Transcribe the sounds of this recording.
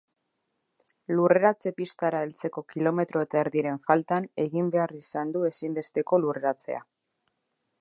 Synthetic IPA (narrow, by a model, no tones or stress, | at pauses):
lure̞ɾat͡se̞pist̪aɾaelt͡se̞ko̞kilo̞me̞t̪ɾo̞e̞t̪aeɾðiɾe̞ɱfalt̪ane̞ɣimbe̞arisand̪ue̞simbe̞st̪e̞ko̞lure̞ɾat͡se̞̰a̰